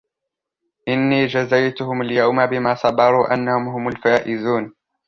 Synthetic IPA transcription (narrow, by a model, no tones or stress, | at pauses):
ʔɪnːiːd͡ʒazajt̪ʊhʊmaljawmabɪmaːsˤɑbɑɾˤuːʔa̰nːahʊmhʊmalfajaːʔɪzuːn